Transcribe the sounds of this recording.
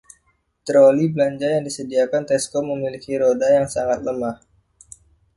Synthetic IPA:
t̪ɾolibəlaɲd͡ʒajaŋdisədiakant̪ɛskɔməmilikiɾodajaŋsaŋat̪̚ləmah

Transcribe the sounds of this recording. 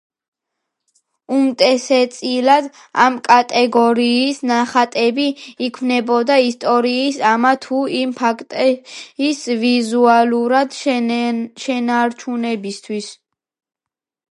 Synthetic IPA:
umt̪ʼɛsɛt̪sʼilad̪ | a̰mkʼat̪ʼɛɡɔɾiːsnaχat̪ʼɛbiːkʰmnɛbɔd̪aist̪ʼɔɾiːsamat̪ʰuimpʰakʰt̪ʼɛisvizualuɾad̪ | ʃɛnaɾt͡ʃʰunɛbist̪ʰwis

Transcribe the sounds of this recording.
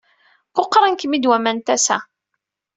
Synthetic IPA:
koqːɾˤənkəmid̪wæmænt̪æsæ̰

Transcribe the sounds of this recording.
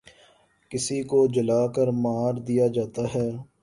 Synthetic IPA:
kɪsikod͡ʒəlaːkəɾmaːɾd̪ijad͡ʒaːt̪aɦɛː

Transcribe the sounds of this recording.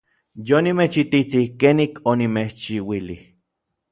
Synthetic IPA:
jonimet͡ʃit̪it̪ihkeːnikʰonimet͡ʃiwilih

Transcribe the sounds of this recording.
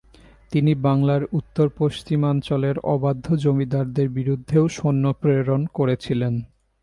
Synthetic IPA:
t̪inibaŋlaɾut̪ːoɾpoʃt͡ɕimant͡ɕɔleɾɔ̰bad̪ʱːod͡ʑomid̪aɾd̪eɾbiɾud̪ʱːeoʃonːopɾeɾonkoɾet͡ɕʰilen

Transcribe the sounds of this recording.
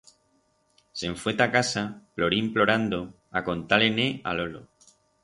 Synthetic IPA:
se̞ɱfwet̪akasaplo̞ɾimplo̞ɾand̪o | ako̞nt̪alenea̰lo̞lo

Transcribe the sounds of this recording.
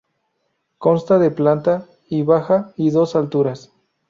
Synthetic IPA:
ko̞nst̪aðeplant̪a | iβaxaiðo̞salt̪uɾas

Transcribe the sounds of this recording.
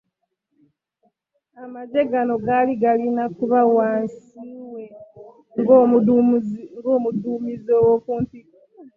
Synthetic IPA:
amaɟe̞ɡano̞ɡaliɡalinakuβawaːnsiːwe̞ | ŋɡ | ŋɡoːmuduːmizowokuːntik

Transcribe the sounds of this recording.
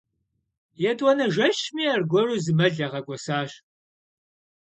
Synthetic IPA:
jɛtʼwɔnɐʒɐɕmiːɐrɡʷɔruːzɨmɐɮɐʁɐɡʷɔsaːɕ

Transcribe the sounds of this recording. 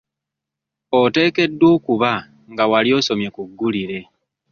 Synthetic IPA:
ote̞ːke̞dːwo̞ːkuβa | ŋɡawaljo̞ːso̞mje̞kuɡːuliɾe̞

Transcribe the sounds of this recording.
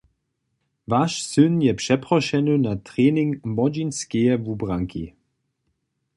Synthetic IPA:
vaʃsɵnjɛpʂɛpʁɔʃɛnunat̪ʁeːnɪŋmɔd͡ʒinskɛjɛvubraŋkḭ

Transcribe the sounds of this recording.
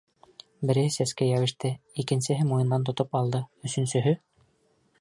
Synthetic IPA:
bɘ̆ɾɘ̆hɘsæskæjæwɘ̆ʃt̪ɘikɘ̆nsɘ̆ɦɘmujɤ̆nd̪ɑnt̪̬ŏt̪opɑlˠd̪ɤɵ̆sɵ̆nsɵ̆ɦɵ

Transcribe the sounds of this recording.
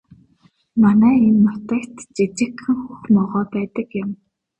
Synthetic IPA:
manæːinːɔt̪æːkt̪t͡ɕit͡ɕɪ̆kxɘ̆ŋxuxmɔʁɔːpæːt̪ə̆kjə̆m

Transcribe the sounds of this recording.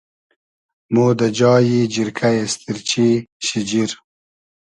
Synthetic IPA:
moːd̪ad͡ʒɑːjid͡ʒiɾkʰajast̪iɾt͡ʃʰiɕid͡ʒiɾ

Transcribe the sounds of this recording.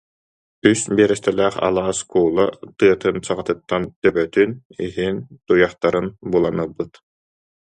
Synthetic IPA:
ysbiɛɾɛst̪ɛlæːχa̰lˠaːskuːlˠat̪ɯɐt̪ɯnsaʁat̪ɯt̪ːant̪œbœt̪yniɦint̪ujaχt̪aɾɯnbulˠanɯbːɯt̪

